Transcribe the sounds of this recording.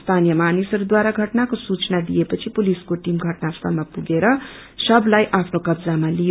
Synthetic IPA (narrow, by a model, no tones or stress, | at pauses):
st̪ʰanijʌmanisʌɾud̪waɾaɡʱʌʈnakosut͡snad̪ijepʌt͡sʰipuliskoʈimɡʱʌʈnast̪ʰʌmapuɡeɾʌ | sʌblajʔapʰnokʌbd͡zamalijo